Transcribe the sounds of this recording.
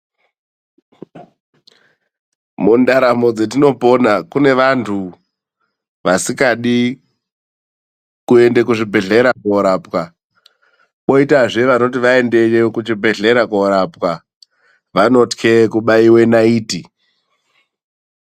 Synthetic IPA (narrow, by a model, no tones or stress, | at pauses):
mundaɾamo̞d͡zet̬ino̞po̞nakune̞ʋantʰu | ʋasikaɗi | kue̞ndekuʐibʱe̞ɮe̞ɾakoɾapwa | ɓo̞itaʐeʋano̞t̬iʋae̞nde̞jekut͡ʃibʱe̞ɮe̞ɾakoɾapwa | ʋano̞tkʰekuɓaiwe̞naiːti